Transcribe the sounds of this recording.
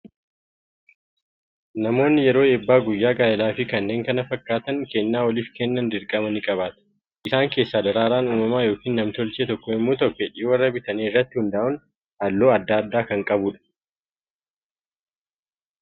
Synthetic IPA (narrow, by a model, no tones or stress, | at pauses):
nɐmo̞ːnːɪjɛɾo̞ːeːbːaːɡʊjːaːɡaːjɐlaːfɪkɐnːe̞ːŋkɐnɐfɐkːaːt̪ɐŋkɛnːaːwɔliːfkɛnːɐnd̪ɪɾkʼɐmɐnɪkʼɐβaːt̪ɐ̥ | ʔɪsaːŋke̞ːsːaːd̪ɐɾaːɾaːnuːmɐmaːjo̞ːkiːnːɐmt̪ɔlt͡ʃeːt̪ɔkːɔɪmːoːt̪ɔkːɛᶑiːwɐrːɐbɪt̪ɐniːɪrːɐt̪ːɪhʊnd̪aːʔʊn | hɐlːoːɐd̪ːaːɐd̪ːaːkɐŋkʼɐbʊᶑɐ̥